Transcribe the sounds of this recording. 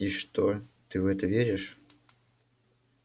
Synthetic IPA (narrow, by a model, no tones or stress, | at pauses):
iʂt̪ot̪ɨvɛt̪əvʲeɾʲɪʂ